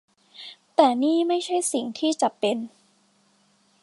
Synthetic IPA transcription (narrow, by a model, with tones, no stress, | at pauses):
t̪ɛː˨˩niː˥˩ma˥˩jt͡ɕʰa˥˩jsi˨˩˦ŋt̪ʰiː˥˩t͡ɕa˨˩pːe˧n